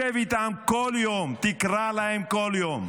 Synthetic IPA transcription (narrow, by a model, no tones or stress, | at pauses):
evit̪amkoljomt̪ikɾalaɛmkɔljom